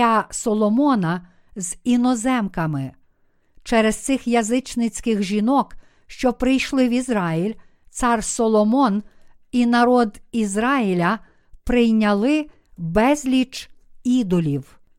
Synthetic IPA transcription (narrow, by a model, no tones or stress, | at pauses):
ɑsɔlˠɔmɔnɐ | zinɔzɛmkɐmɪ | t͡ʃɛɾɛst̪sɪxjɐzɪt͡ʃnɪt͡sʲkɪxʒʲinɔk | ʃt͡ʃɔpɾɪjʃlˠɪwizɾɑjilʲ | t̪sɑrsɔlˠɔmɔn | inɐɾɔd̪izɾɑjilʲɐ | pɾɪjnʲɐlˠɪ | bɛzʲlʲit͡ʃid̪ɔlʲiw